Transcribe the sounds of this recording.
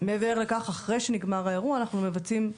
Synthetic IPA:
meːveʁle̞kaχaχʁe̞jʃeniɡmaʁaeʁuaːnaχnume̞vat͡sim

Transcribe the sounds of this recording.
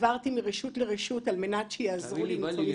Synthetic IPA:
vaʁtimiʁeʃutleʁeʃutalme̞natʃejaazʁuliinflom

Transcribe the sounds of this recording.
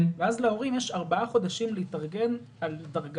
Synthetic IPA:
nveazleo̞ʁimjeʃaʁbaaχo̞d̪aʃimleitaʁɡe̞n | aldaʁɡ

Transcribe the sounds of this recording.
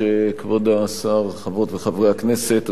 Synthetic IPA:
ekvod̪aːsaʁχavʁot̪veχavʁeakneset̪

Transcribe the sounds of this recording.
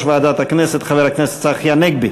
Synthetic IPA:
ʃvaad̪at̪haknɛsɛt̪χavelaknɛse̥t̪saχjanɛɡ̚bi

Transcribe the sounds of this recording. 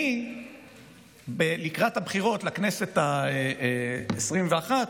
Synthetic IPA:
i | belikʁat̪habχiʁo̞tlakne̞se̞tae | esʁimveaχat

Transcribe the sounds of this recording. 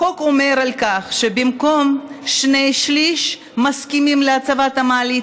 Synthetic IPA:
okome̞ʁalkaχʃebimko̞mʃne̞jʃliʃ | maskimimleat͡savat̪hamaːli

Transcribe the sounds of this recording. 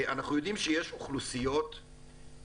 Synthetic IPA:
ʔanaχnujo̞d̪imʃejeʃoχlusijo̞t̪

